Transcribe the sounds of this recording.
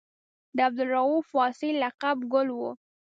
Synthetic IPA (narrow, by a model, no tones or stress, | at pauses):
d̪əab̚d̪ʊlɾaufːɑsɪlːaqabɡʊlwu